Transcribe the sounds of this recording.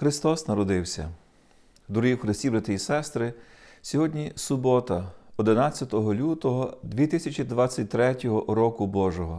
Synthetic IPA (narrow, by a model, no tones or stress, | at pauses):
xɾɪst̪ɔsnɐɾɔd̪ɪwsʲɐ̰ | d̪ɾɔjiwxɾɪsʲtʲibɾat̪ɪjisɛst̪ɾɪ | sʲɔɦɔdʲnʲisʊbɔt̪ɐɔd̪ɪnɑt͡sʲːɐt̪ɔɦɔlʲut̪ɔɦɔd̪ʲʋʲit̪ɪsʲɐt͡ʃʲid̪ʋɑt͡sʲːɐt̚ʲt̪ɾɛtʲɔɦɔɾɔkʊbɔʒɔɦɔ